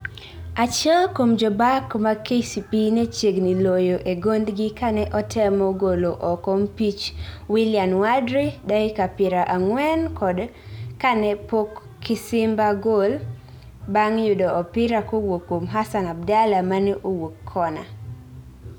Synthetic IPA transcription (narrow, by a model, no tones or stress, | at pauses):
at͡ʃɛlkomd͡ʒɔbakmakesipinet͡ʃjeɡnilojoʔeɡond̪ɡɪkanɛʔɔtʰɛmɔɡoloʔɔkɔmpit͡ʃwilɪjanwadɾidaɪkapɪɾaʔaŋwɛnkɔdkanɛpokʰː | ɪsɪmbaɡol | baŋjʊdɔʔɔpɪɾakowokːomɦasanab̚dalamanɛʔowokʰːɔna̰